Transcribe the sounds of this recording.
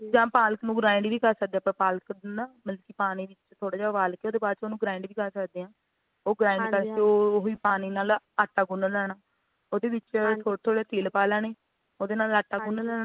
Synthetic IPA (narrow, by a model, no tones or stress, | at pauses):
d͡ʒãːpaːlknũːɡɾaːɪ̃ɳɖʋiːkəɾsək̚d̪eaːpəɾpaːlknaːməlkiːpaːñiːʋɪt͡ʃt̪ʰoːɽaːd͡ʒaːʋaːlkeoːd̪eːbaːd̪t͡ʃoːnũːɡɾaːɪɳɖʋiːkəɾsəkd̪eːãː | oːɡɾãːɪɳɖkəɾkeoːɦoiːpaːñiːnaːl | aʈːaːɡʊnalɛːɽaː | oːd̪eːʋɪt͡ʃt̪ʰoːɽt̪ʰoːɽeːt̪iːlpaːlaːneː | oːd̪eːnaːlaːʈːaːɡʊnlɛːɽa